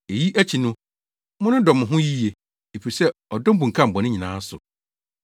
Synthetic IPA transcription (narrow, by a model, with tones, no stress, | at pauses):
e˨ji˦ʔæ˦t͡ɕʰi˨nʊ̃˦ | mʊ̃˦nʊ̃˦dɔ˨mʊ̃˨ɦʊ̃˦ji˦je˨ | e˨pi˨sɛ˦ɔ˨dɔ˦m˦bũ˨ŋ̩kʰã˦m̩˨bɔ̃˨nɪ̃˦ɲĩ˨nãː˨˦sʊ˨